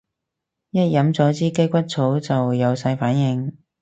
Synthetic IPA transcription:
jɐ˥t̚jɐ˨˥mt͡sɔː˨˥t͡siː˥ke˥jkʷɐ˥t̚t͡sʰo˨˥wt͡sɐ˨wjɐ˨˧wsɐ˧jfaː˨˥njɪ˧ŋ

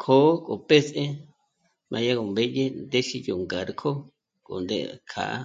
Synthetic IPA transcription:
kʰoː˨˦kʼo˨pe˦sʔe˦ | mʔã˧ja˦ko˧mbe˦je˦nd̪e˦ʃi˦jo˨ŋɡa˨ɾkʰo˦ | ko̰˨nd̪ḛ˦kʰa̰˨ʔa̰˦

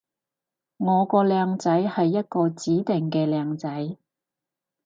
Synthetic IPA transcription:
ŋɔː˨˧kɔː˧lɛː˨˧ŋt͡sɐ˨˥jhɐ˨jːɐ˥t̚kɔː˧t͡siː˨˥t̪ɪ˨ŋkɛː˧lɛː˨˧ŋt͡sɐ˨˥j

